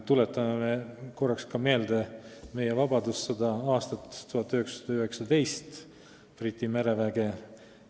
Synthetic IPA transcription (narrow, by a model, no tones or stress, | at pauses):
t̪ulet̪ːˑɑmemeko̞rːɑkskɑme̞ːld̪e̞me̞jevɑbɑd̪usːɑd̪ɑɑːst̪ɑt̪ːt̪ːuhɑt̪ːˑyhe̞kssɑd̪̥ɑyhe̞ksɑd̪e̞jst̪ | prit̪ʲːime̞ɾe̞væɡ̥e̞